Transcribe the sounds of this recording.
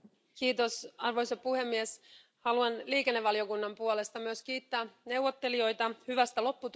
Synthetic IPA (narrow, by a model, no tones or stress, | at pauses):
kiːt̪o̞sɑrʋojsɑpuhemːies | hɑluɑnliːkenːeʋɑlio̞kunːɑmpuolest̪ɑmyøskiːt̪ːæːne̞wʋːot̪ːelio̞jt̪ɑhyʋæst̪ælo̞pːut̪